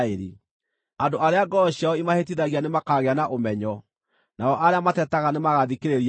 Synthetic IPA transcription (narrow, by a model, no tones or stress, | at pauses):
eɾe | andoʔaɾeaɡɔɕjaɔimahet̬iðaɣianemakaːɣeanaʔomɛɲɔ | naɔʔaɾeamatɛtaɣanemaɣaðikeɾeɾi